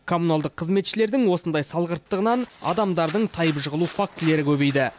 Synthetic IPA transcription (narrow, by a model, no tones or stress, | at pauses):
kʰo̞munalˠd̪əqʰːəzme̞t̪ʃɪle̞ɾd̪ɪŋwo̞sənd̪ɑjsɑlˠʁəɾt̪ːəʁənɑnɑ̰d̪ɑmd̪ɑɾd̪əɴt̪ʰɑjəpʒəʁəlˠufak̚t̪ɪle̞ɾɪkʲʰɵbe̞jd̪ɪ